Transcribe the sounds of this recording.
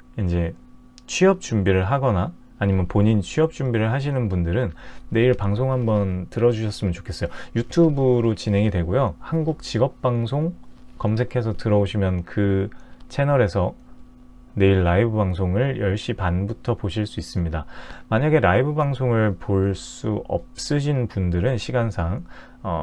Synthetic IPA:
ind͡ʑe̞ | t͡ɕʰwɥiʌp̚t͡ɕumbiɾɯɭɦaɡʌnaː | ɲimjʌnpoɲint͡ɕʰɥiʌp̚t͡ɕ͈umbiɾɯɭɦaɕ̬ʰinɯnbundɯɾɯnːe̞iɭpaŋsʰoŋɦambʌntɯɾʌd͡ʑuɕʰʌs͈ɯmjʌnt͡ɕo̥kʰe̞s͈ʌjojutʰubɯɾot͡ɕinɦe̞ŋidwe̞ɡojohanɡuk̚t͡ɕiɡʌp̚p͈aŋs̬ʰoŋkʌmsʰe̞kʰe̞s̬ʰʌtɯɾʌoɕʰimjʌnkɯt͡ɕʰe̞nʌɾe̞sʰʌ | ne̞iɭːaibɯbaŋsʰoŋɯɭjʌɭɕ͈ipanbutʰʌpoɕʰiɭs͈uis͈ɯmɲidamaɲaɡe̞ɾaibɯbaŋsʰoŋɯɭpoɭs͈uʌp̚s͈ɯɕ̬ʰinpundɯɾɯnɕʰiɡansʰaŋ | ʌ̰

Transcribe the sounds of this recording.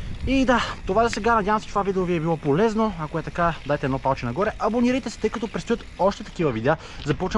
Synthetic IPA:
id̪at̪ovazɐsɛɡanɐd̪ʲjavəmsɛt͡ʃt̪ovavid̪ɛoviɛbilˠɔpolɛznoakoɛt̪ɐkad̪ajt̪ɛd̪nɔpalˠt͡ʃɛnɐɡɔɾɛʔɐboniɾəjt̪ɛsɛ̥t̪ɤjkɐt̪ɔpɾɛst̪ujət̪ɔʃt̪ɛt̪ɐkivɐvid̪ɛa | zɐpɔt͡ʃ

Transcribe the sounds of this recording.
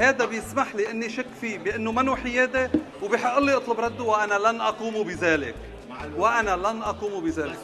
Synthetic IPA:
heːd̪abjɪsmaħliʔɪnːiʃakːfibɪʔɪnːʊmanuħɪjeːd̪e | wbiːħɪʔːɨlːiʔot̪ˤlʊbɾˤɑd̪ːuwʔanalanʔɑquːmubɪzeːlɪ̰k | wɪʔanalanʔɑquːmubɪzeːlɪk

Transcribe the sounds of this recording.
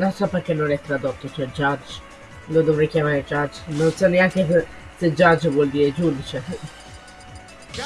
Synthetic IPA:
nonsɔperk̟enːonɛt̪ːɾad̪ot̪ːot͡ʃɛd͡ʒad͡ʒ | lod̪ovɾɛjkjamaːɾed͡ʒad͡ʒːnonsɔneaŋk̟es | sed͡ʒad͡ʒvwɔld̪iːɾed͡ʒud̪it͡ʃe

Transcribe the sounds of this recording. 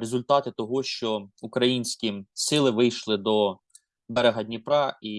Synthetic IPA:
ɾezʊlʲt̪ɑt̪ɪt̪ɔɦɔʃt͡ʃɔukɾɐjinʲsʲkʲisɪlˠɪʋɪjʃlˠɪd̪ɔ | bɛɾeɦɐdʲnʲipɾɑi

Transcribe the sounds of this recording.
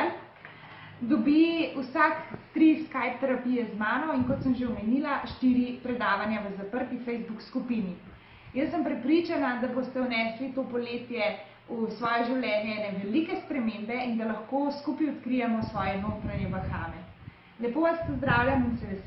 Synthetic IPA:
d̪ɔbiusakt̪ɾiskajp̚t̪ɛɾapijɛzmaːnɔinkɔt̪səmʒeumɛniːlaʃt̪iɾipɾɛd̪aːʋanjaʋəzapəɾt̪ifɛjzbukskupini | jəsːəmpɾɛpɾit͡ʃanad̪abost̪ɛwnɛslit̪opɔleːt̪jɛ | usʋɔːjɛʒiwlʲjɛːnjɛnɛʋɛlikɛspɾɛmembɛind̪alaxkoskupiɔt̪kɾijamɔsʋɔːjɛvəupɾanjɛʋɐxaːmɛ | lɛpoʋaspɔzd̪ɾaːwljaminsɛʋɛ

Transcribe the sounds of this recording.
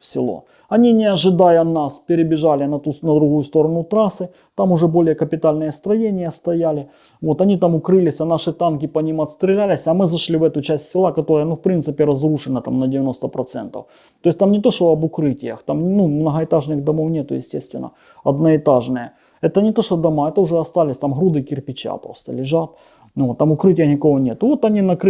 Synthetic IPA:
fsʲɪ̰lˠo̰ | ɐnʲinʲɪɐʐɨd̪ajɐnaspʲɪɾʲɪbʲɪʐalʲɪnɐt̪unɐd̪ɾʊɦujʊst̪o̞ɾɐnʊt̪ɾasɨ | t̪amʊʐɛbo̞lʲɪjəkəpʲɪt̪alʲnɨjəst̪ɾɐjenʲɪjəst̪ɐjalʲɪ | vot̪ɐnʲit̪amʊkɾɨlʲɪsʲɐnaʂɨt̪ankʲɪpɐnʲimɐt̪st̪ɾʲɪlʲælʲɪsʲɐmɨzɐʂlʲivɛt̪ʊt͡ɕæsʲtʲsʲɪlˠakɐt̪o̞ɾəjənufpɾʲint̪sɨpʲɪɾɐzruʂɨnɐt̪a̰mnɐdʲɪvʲɪno̞st̪ɐpɾɐt̪sɛ̰nt̪ɐ̰f | t̪o̞jɪsʲt̪amnʲɪt̪o̞ʂt̪oɐbʊkɾɨtʲɪjə̰xt̪amʲnumnɐɦɐɪt̪aʐnɨɣd̪ɐmo̞fnʲet̪ʊjɪ̰sʲtʲest̪vʲɪ̰nːɐ̰ | ɐd̪nɐɪt̪aʐnɨjə | ɛt̪ənʲɪt̪o̞ʂt̪od̪ɐmaɛt̪əʊʐɛɐst̪alʲɪsʲt̪amɦɾud̪ɨkʲɪrpʲɪt͡ɕa̰pɾo̞̰st̪ə̰lʲɪʐat̪̚ | not̪ːamʊkɾɨtʲɪjənʲɪkovonʲet̪ʊvo̞t̪ɐnʲinɐk

